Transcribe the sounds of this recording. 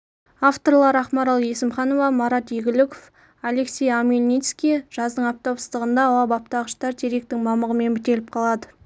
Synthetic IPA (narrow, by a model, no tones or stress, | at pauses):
ɑft̪o̞ɾlˠɑɾɑχmɑɾɑlˠje̞sɪmχɑno̞vɑmɑɾɑt̪eɡʲɪlɪkof | ale̞ksʲe̞jamʲelʲnʲijt̪skʲijʒ̥ɑzd̪əɴɑp̚t̪ɑwsə̥zt̪əʁənd̪ɑːwɑbɑp̚t̪ɑʁəʃt̪ɑɾt̪ʰeɾe̞k̚t̪ɪŋmɑməʁəme̞nbɪt̪e̞lɪp̚qʰɑlˠɑd̪ə